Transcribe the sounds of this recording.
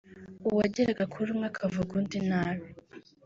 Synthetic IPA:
uwaɟeɾaɡakʰuɾumŋɡakʰavuɡundinaβi

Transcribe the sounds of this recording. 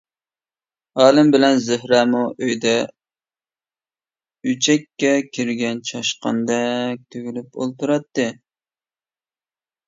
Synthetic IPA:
ɑːlˠɪmbɪlɛnzɪhɾɛmuʔøjd̪ɛ | yt͡ʃʰɛkʲːɛkʲʰiɾɡʲɛnt͡ʃʰɑʃqɑ̰nd̪ɛk̚ʲt̪ʰøɡʲylypo̰lˠt̪uɾɑt̪ːɨ

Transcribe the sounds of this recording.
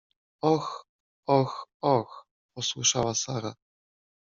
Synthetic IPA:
ɔx | ɔxɔx | pɔswɘʂawasaɾa̰

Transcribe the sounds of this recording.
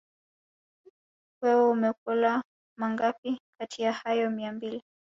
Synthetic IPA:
wɛɔumɛk̚ɔla | maŋɡapikʰatʰijahajɔmiambili

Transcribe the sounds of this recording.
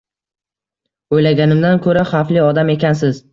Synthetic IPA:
ojlaɡʲanɪmd̪ankʰɵɾaχaflɪɒd̪ame̞kʲansɪz̥

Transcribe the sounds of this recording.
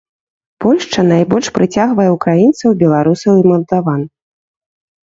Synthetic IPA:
pɔlʲʂt͡ʂɐnajbɔlʲʂpɾɨt͡sʲaɣvɐjɛukɾajint̪sɐwbʲɛlˠaɾusɐwimɐlˠd̪avan

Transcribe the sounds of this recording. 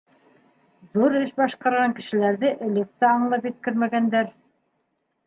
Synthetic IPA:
ðuɾɘʃbɑʃqɑɾʁɑŋkɘ̆ʃɘ̆læɾðɘʔɵ̆lɵ̆k̚t̪æɑɴlˠɑpjɘ̆t̪̚kɘɾmæɡænd̪æɾ

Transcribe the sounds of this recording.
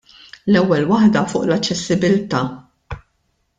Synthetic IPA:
lɛwːɛlwɐħd̪ɐfʊːʔlɐt͡ʃːɛsːɪbɪlt̪ɐː

